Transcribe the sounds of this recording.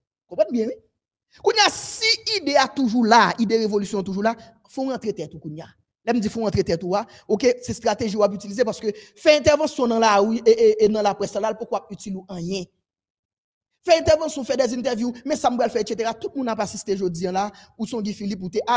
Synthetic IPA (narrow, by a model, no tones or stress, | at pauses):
kõpɛ̃nbjɛ̃wi | kũnjasiid̪eat̪uʒulaid̪eʁevolysjɔ̃t̪uʒula | fɔ̃ʁɐ̃t̪ʁet̪ɛt̪ukũnja | lɛm̩d͡zifɔ̃ɐ̃t̪ʁet̪ɛt̪ua | okesɛst̪ʁat̪eʒiowap̬yt͡silizep̬aʁskøfɛɛ̃t̪ɛʁvɑ̃sjɔ̃nɐ̃laʁyeeenɐ̃lapɣɛsalalpukwoap̚yt͡siluʔɐ̃jɛ̃ | fɛɛ̃t̪ɛʁvɑ̃sjɔ̃fɛdɛzɛ̃nt̪̬ɛʁvjumɛ̃sam̩pʁalfɛeʃet̪̬eʁat̪ut̪̚mũnapasist̪eʒod͡ziãlausɔ̃ɡĩfilip̬ut̪eʔa